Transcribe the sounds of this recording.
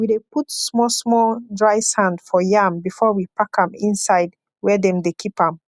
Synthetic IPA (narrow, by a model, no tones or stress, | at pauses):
wideputsmɔsmɔdɹaɪsãndfɔjãmbifɔwipakãmĩnsaɪd | wɛdɛ̃mdekʰipãm